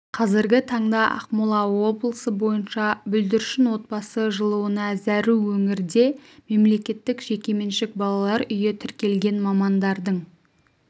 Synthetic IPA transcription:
qʰɑzɪɾɡʲɪt̪ʰɑɴd̪ɑʔɑ̰qmulˠɑwo̞blˠəsəbo̞jənʃɑbʏld̪ɪɾʃɪnwo̞t̪̚bɑsəʒəlˠuwənɑzæɾuwɵŋɪɾd̪e̞me̞mle̞kʲe̞t̪ːɪkʒ̥e̞kʲeme̞nʃɪk̚bɑlˠɑlˠɑɾʏjet̪ʰʏɾkʲe̞lɡʲe̞nmɑmɑnd̪ɑɾd̪əɴ

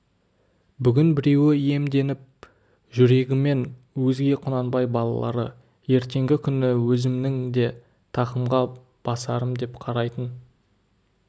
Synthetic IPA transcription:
bʏɡʲɪnbɪɾe̞wɪe̞md̪e̞nɪp̚ | ʒʏɾe̞ɡʲɪme̞n | wɵzɡʲe̞qʰʊnɑnbɑjbɑlˠɑ̰lˠɑ̰ɾə̰ | je̞ɾt̪e̞ŋɡʲɪkʲʰʏnɪwɵzɪmnɪŋd̪e̞ | t̪ʰɑqəmʁɑ | b̥ɑsɑɾəmd̪e̞pqʰɑɾɑjt̪ən

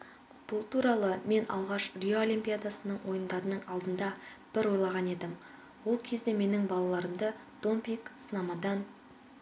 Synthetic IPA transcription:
b̥ʊlˠt̪ʰuɾɑlˠəme̞nʔɑ̰lˠʁɑʃrʲijoolʲijmpʲijad̪asənəɴwo̞jənd̪ɑɾənəɴɑlˠd̪ənd̪ɑb̥ɪɾwo̞jlˠɑʁɑne̞d̪ɪm | wo̞lˠkʲʰe̞zd̪e̞me̞nɪŋbɑlˠɑlˠɑɾəmd̪əd̪̥o̞mpʲijksənɑmɑd̪ɑn

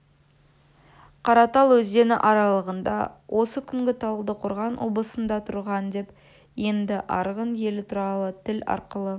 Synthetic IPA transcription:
qʰɑɾɑt̪ɑlˠwɵzd̪e̞nɪʔɑɾɑlˠəʁənd̪ɑ̰wʔo̞səkʲʰʏŋɡʲɪt̪ʰɑlˠəlˠd̪əqʰʊɾʁɑnwʔo̞̰blˠəsənd̪ɑt̪ʰʊɾʁɑnd̪e̞p | je̞nd̪ɪʔɑ̰ɾʁənje̞lɪt̪ʰʊɾɑlˠət̪ʰɪlɑ̰ɾqəlˠə

